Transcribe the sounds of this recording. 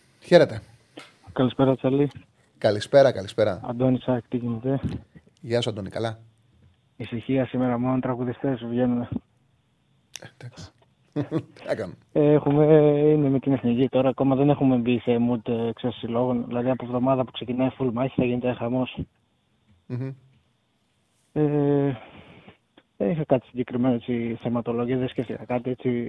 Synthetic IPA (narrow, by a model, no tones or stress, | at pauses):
çeɾet̪e | kɐlispe̞ɾɐt͡sɐli | kɐlispe̞ɾɐkɐlispeɾɐɐ̰nd̪o̞nisɐkt̪iʝinet̪e̞ | ʝɐsoɐnd̪onikɐlɐ | isiçiɐsime̞ɾɐmolont̪ɾɐɣuðist̪e̞svʝe̞nune | d̪aksi̥ | ekɐme | exume̞ineme̞t̪ineθnicit̪o̞ɾɐːko̞mɐðe̞ne̞xume̞mbiθemut̪ekseɾsilo̞ɣo̞nðilɐðiɐpovðo̞mɐðɐpu̥kse̞cinɐifulmɐçi̥θɐʝinet̪exɐmos | e | ðenixɐkat̪i̥siɲɟe̞kɾime̞noet͡siθemɐt̪o̞loʝiɐðesce̞ft̪ikɐkɐt̪ie̞t͡si